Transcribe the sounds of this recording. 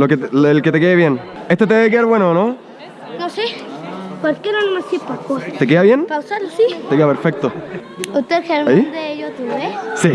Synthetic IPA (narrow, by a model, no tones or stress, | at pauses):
loket̪elket̪ekeːβjenest̪et̪̬eeekeaɾβwenono | nosepoɾskenanomasipakot̪ek̬eaβjenkawsaɾlsit̪ekeapeɾfek̚t̪oust̪eðxeɾmaĩnd̪ejot̪uesi